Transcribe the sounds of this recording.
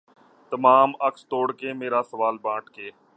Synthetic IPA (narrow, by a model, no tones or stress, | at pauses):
t̪əmaːməkst̪oːɽkeːmeːɾaːsəʋaːlbãːʈkeː